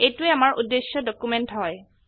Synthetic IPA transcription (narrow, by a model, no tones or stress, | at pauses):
ejtʊɛamaɹʔudːesjɔdɔkumɛntɦɔj